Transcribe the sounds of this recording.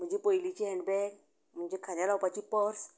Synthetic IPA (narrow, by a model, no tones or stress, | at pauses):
m̤əɳd͡ʑepəjlit͡ɕiːɦɛ̃ɳɖbɛk | m̤əɳd͡ʑekʰadjalawpat͡ɕiːpəɾs